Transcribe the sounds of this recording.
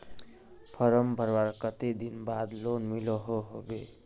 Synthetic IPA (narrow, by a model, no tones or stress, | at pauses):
pʰəɾəmbʱəɾwaɾkət̪ed̪inbad̪lonmiloɦoɦobe